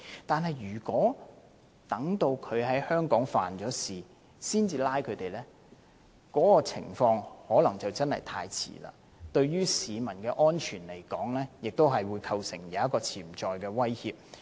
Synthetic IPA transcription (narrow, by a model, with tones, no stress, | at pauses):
t̪aː˨nɦɐ˨jɥyː˨˩kwɔː˨˥ | t̪ɐ˨˥ŋt̪o˧wkʰɵ˨˧ɥɦɐ˨˥jhœː˥ŋkɔː˨˥ŋfa̰ː˨nt͡ʃɔː˨˥siː˨ | siː˥nt͡siː˨˧laː˥jkʰɵ˨˧ɥt̪e˨jlɛː˥ | kɔː˨˥kɔː˧t͡sʰɪ̰˨˩ŋfɔː˧ŋhɔː˨˥lɐ˨˩ŋt͡sɐ˨wt͡sɐ˥nhɐ̰˨jt̪ʰa̰ː˧jt͡sʰḭː˨˩la̰ː˧ | t̪ɵ˧ɥɥyː˥siː˨˧mɐ˨˩nkɛː˧ʔɔː˥nt͡ʃʰyː˨˩nle˨˩jkɔː˨˥ŋlɛː˥jɪ˨k̚t̪o˥wɦɐ˨jwuː˨˧jkʰɐ˧wsɪ˨˩ŋjɐ˨˦ɐ˥tkɔː˧t͡sʰiː˨˩mt͡ʃɔː˨jkɛː˧wɐ˥jhiː˧p̚